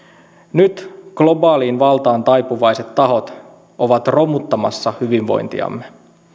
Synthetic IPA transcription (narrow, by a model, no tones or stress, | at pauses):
nyt̪ɡ̥lo̞bɑːliːnʋɑlt̪ɑːnt̪ɑjpuʋɑjse̞t̪ːɑɦo̞t̪ | ʔo̞ʋɑt̪ro̞mut̪ːɑmɑ̰sːɑhyʋinʋo̞̰jnt̪ḭɑ̰mːe